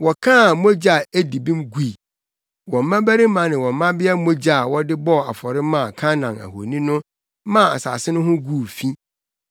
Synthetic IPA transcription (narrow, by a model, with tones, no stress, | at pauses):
wɔ˨kʰã˦˨mo˦d͡ʑa˨æ˦di˨bĩ˦mɡu˦˨i˨ | wɔ̃˨m̩˨mã˦bæ˦ɾi˦mã˨nɪ̃˨wɔ̃˨mː˨ã˦bɪ˦ɛ˦mo˦d͡ʑa˦˨wɔ˦dɪ˦bɔ˦˨a̰˨fɔ˨ɾɪ˦mã˦˨kʰã˦nã˨næ̰˨ho̰˨nĩ˦nʊ̃˦ | mã˦a̰˨sa̰ː˨sɪ˦nʊ̃˦ɦʊ̃˦ɡu˦˨fĩ˦